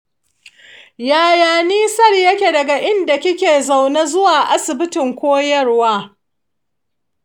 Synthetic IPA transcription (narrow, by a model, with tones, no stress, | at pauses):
jaː˨jaː˨niː˦sɐ˦rjɐ˦kʲe˨dɐ˨ɡa˨ʔɪ˦nda˨kʲɪ˦kʲeː˨za˨wna˦zʊ˦waː˨ʔa˦sɪ˨bɪ˦tɪ˨ŋkʷoː˦jɐ˦rwaː˦